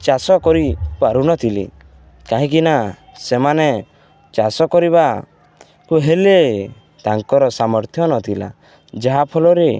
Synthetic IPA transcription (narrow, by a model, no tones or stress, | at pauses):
t͡ʃasɔkɔɾikuaɾunɔt̪ʰilḭ | kaɦĩkina | semane | t͡ʃasɔkɔɾiβa | kuɦele | t̪aŋkɔɾɔsamɔɾt̪ʰjɔnɔt̪ʰila̰ | d͡ʒaɦapʰɔlɔɾe